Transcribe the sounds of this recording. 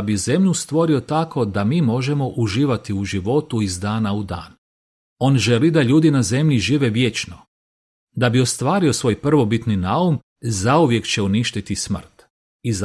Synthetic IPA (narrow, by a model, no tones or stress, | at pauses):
bize̞mʎust̪ʋo̞ɾio̞t̪akʰo̞d̪amiːmo̞ʒe̞mo̞ʔuʒiːʋat̪iuʒiʋo̞t̪uizd̪aːnaud̪a̰ːn | o̞ːnʒe̞lid̪aʎuːd̪inaze̞mʎiʒiːʋe̞ʋje̞t͡ʃno | d̪abio̞st̪ʋaːɾio̞sʋo̞ːjpr̩ʋo̞bit̪ninaum | zauʋje̞kt͡ɕe̞uniʃt̪it̪ismr̩t̪ | iz